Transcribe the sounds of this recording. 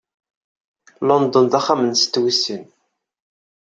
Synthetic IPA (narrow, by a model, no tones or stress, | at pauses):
lɔnd̪ɔnd̪æχːamənst̪ːwisːin